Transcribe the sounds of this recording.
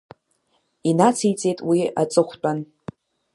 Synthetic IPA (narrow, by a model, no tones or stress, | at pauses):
inat͡sʰijt͡sʼe̞jtʼwiat͡sʼɨχʷt͡pʷʼan